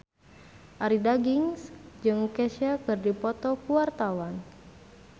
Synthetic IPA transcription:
ʔaɾidaɡiŋsd͡ʒɨŋkɛsakɨrdipɔt̪ɔkuwart̪awan

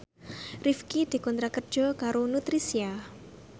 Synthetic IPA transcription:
rifkid̪̥i̤kɔnt̪ɾakərd̥ʒ̥ɔ̤kaɾonut̪ɾisia

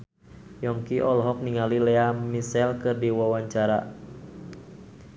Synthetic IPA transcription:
jɔŋkiʔɔlɦɔk̚niŋalilɛamisɛlkədiwawaɲt͡ʃaɾa̰

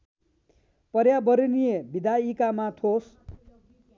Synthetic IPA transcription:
pʌɾjabʌɾinijebid̪aikamat̪ʰos

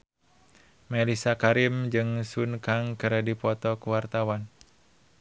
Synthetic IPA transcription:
mɛlisakaɾimd͡ʒɨŋsunkaŋkɨɾadipɔt̪ɔkuwart̪awan

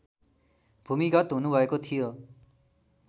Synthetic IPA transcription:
bʱumikɔt̪ɦunubʱɔekot̪ʰijo

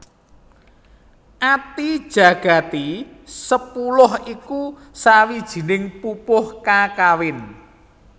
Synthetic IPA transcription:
ʔat̪id̥ʒ̥ä̤ɡ̥a̤t̪isəpulʊhiku | sawid̥ʒ̥i̤nɪŋpupʊhkakawɪn

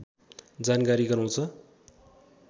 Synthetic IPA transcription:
d͡zankaɾiɡʌraw̃t͡sʰʌ

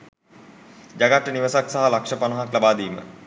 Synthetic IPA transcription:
d͡ʒaɡaʈːəniʋəsaksaɦalakʂəpanɐɦaklabaːd̪iːmə̰

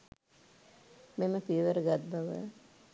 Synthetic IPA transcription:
meməpiəʋəɾəɡat̪̚baʋə̰

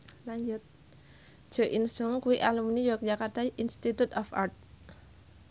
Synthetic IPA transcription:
laɲd͡ʒʊt̪̚ | ʒ̥ɔ̤ʔinsʊŋkuiʔalumnijokəd͡ʒakart̪aʔinst̪it̪ut̪ɔfa̰rt̪̚

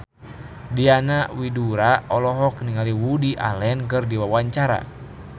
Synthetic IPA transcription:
dianawiduɾaɔlɔɦɔkniŋaliwudiʔa̰lɛnkɨrdiwawaɲt͡ʃaɾa̰

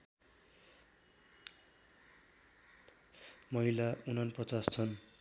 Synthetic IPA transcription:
mʌɦilaunʌnprʌt͡sast͡sʰʌn

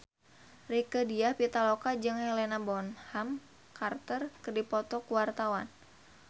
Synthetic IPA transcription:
rikədiahpit̪alokad͡ʒɨŋhɛlɛnabɔnham | kart̪ərkɨrdipɔt̪ɔkuwart̪awan

